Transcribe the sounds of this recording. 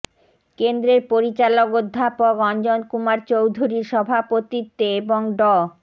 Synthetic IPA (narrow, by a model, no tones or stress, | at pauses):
kend̪ɾeɾpoɾit͡ɕalokod̪ʱːapokɔnd͡ʑonkumaɾt͡ɕowd̪ʱuɾiɾʃɔbʱapot̪it̪ːeeboŋɖɔ